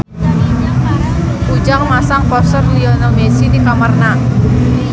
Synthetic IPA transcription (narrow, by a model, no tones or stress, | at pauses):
pud͡ʒaŋmasaŋpɔsɔrliɔnomesidikamərna